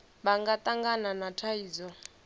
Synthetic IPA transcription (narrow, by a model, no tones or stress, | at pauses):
baŋɡat̪ʼaŋɡananatʰaiːd͡zɔ